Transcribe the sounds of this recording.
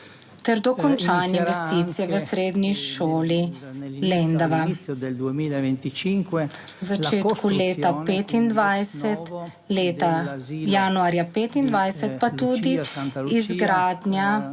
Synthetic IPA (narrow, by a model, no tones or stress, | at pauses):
t̪ɛɾd̪ɔkɔnt͡ʃanɛinʋɛst̪it̪sijɛʋəsɾeːd̪ɲiʃoːlilɛnd̪aʋa | wzat͡ʃ̪eːt̪kʰuleːt̪apeːt̪ind̪ʋajsɛt̪ | leːt̪ajaːnuaːɾjapeːt̪ind̪ʋajsɛt̪̚pat̪ud̪iizɡɾaːd̪nja